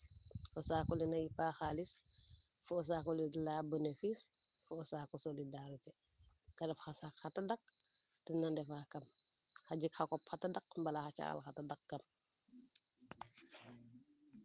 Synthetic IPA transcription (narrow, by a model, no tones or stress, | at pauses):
kɔsaːkɔlinajipaxaːlisfuɔs̬akɔlilabənefisfuɔsaːkɔsolidaɾitɛ | kɐdɐfxasakxatadak̚tɛnandɛfakɐmxaɟikxakɔpxatadɐkmbɐlaxat͡ʃa̰a̰lxatadak̚kɐm